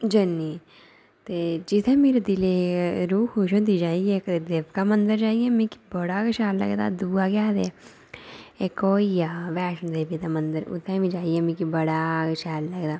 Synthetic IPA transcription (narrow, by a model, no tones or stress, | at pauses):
d͡ʒənːiː | t̪eːd͡ʒɪt̪ʰẽːmeːɾed̪ɪleːɾuːkʰːoʃõːd̪iːd͡ʒaːiekt̪ed̪eːbkaːmənd̪əɾd͡ʒaːijɛːmĩki̥bəɽaːkəʃaːɾlə̰ɡd̪a̰ːd̪uːaːɡjaːd̪eː | eːkoːijaːʋɛːʃnd̪eːbit̪aːmənd̪əɾʊ̰t̪ʰːɛ̃ːmĩːd͡ʒaːijɛːmĩkibəɽaːɡəʃaːɾləɡd̪aː